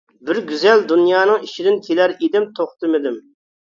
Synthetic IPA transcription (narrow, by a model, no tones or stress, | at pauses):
bɪɾɡʲyzɛld̪unjɑːnɨŋiʃid̪ɪnkʲʰelæɾed̪ɪmt̪ʰoχt̪ɨmɪd̪ɪm